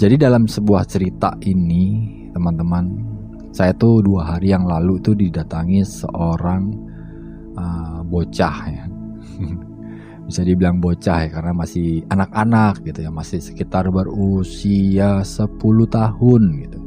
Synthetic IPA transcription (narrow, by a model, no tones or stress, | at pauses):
d͡ʒadidalamsəbuaht͡ʃəɾit̪aini | t̪əmant̪əman | sajat̪uduaɦaɾijaŋlaluit̪udidat̪aŋisə̰ʔoɾaŋ | əbot͡ʃahja | bisadibilaŋbot͡ʃahjakarənamasɪhanakanak̚ɡit̪ujamasɪhsə̥kit̪arbərusiasəpulut̪ahʊnɡit̪u